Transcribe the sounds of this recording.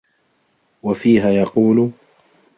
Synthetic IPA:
wafiːɦaːjɑquːl

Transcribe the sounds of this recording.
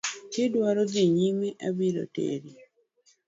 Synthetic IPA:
tedwaɾod̪iɲimeʔabiɾo̰tḛɾi

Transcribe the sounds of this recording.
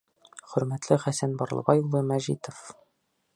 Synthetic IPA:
χɵ̆ɾmæt̪lɘχæsænbɒɾlˠɤ̰bɑjulˠːɤmæʑit̪of

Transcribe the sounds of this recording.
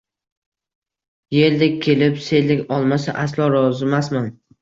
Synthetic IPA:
je̞ld̪ɪk̚ʲkʲʰe̞lɪpse̞lɪkʲɒlˠmasa̰ʔaslˠɒɾɒzɪmasman

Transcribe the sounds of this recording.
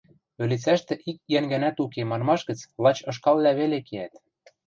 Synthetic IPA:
ø̆lit͡sæʃt̪ĕʔikjæŋɡænæt̪ukemɑnmɑʃɣə̆t͡slˠɑt͡ɕɤ̆ʃ̬kɑllæβelekeæt̪

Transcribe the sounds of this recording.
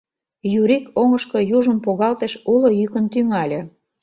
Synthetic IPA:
juɾikoŋəʃkŏjuʒə̆mpoɣɑlt̪eʃulŏjykənt̪yŋɑlʲĕ

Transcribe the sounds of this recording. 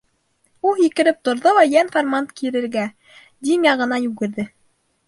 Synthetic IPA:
ulˠjikɘ̆ɾɘp̚t̪ŏɾðolˠɑjænformant̪kʰiɾɘ̆ɾɡæ | d̪ʲimjɑʁɤ̆nɑjʉɡɘ̆ɾðɘ

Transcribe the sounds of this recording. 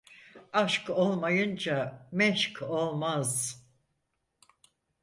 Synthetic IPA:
aʃko̞lˠmajɯnd͡ʒamɛʃkʰo̞lˠmaz

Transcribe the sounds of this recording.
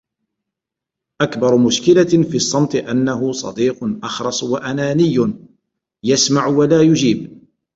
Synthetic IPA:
ʔakbɑɾˤʊmʊʃkɪlafiːsˤːɑmt̪ˤɨʔanːaɦʊsˤɑ̰d̪iːqʊnʔɑxɾˤɑsˤwaʔanaːnɪjːʊ | jasmaʕwalaːjʊd͡ʒiːb

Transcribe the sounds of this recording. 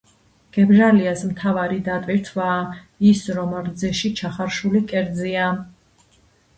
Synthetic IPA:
ɡ̥ɛbʒaliasmt̪ʰavaɾid̪at̪ʼviɾt̪ʰvaː | isɾɔmɾd̪zɛʃit͡ʃʰaχaɾʃulikʼɛɾd̪zia

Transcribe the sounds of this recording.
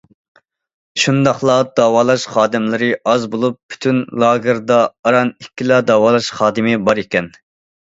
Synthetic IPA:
ʃund̪ɑχlˠɑd̪ɑːwɑːlˠɑʃχɑːd̪ɪmlɪɾɪɑzbolˠupʰːy̥t̪ʰynlˠɑːɡɨɾd̪ɑːɾɑnikʲːilˠɑd̪ɑːwɑːlˠɑʃχɑːd̪ɨmɪbɑɾekʲɛn

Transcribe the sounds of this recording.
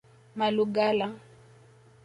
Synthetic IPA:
maluɡala

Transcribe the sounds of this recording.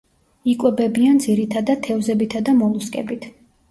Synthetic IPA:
ikʼwɛbɛbiand̪ziɾit̪ʰad̪at̪ʰɛvzɛbit̪ʰad̪amɔlˠuskʼɛ̰bit̪ʰ

